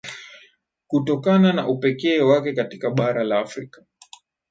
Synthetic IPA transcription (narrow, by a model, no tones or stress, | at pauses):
kutɔkanana̰ʔupɛkɛːwakɛkatikaɓaɾalaːfɾikḁ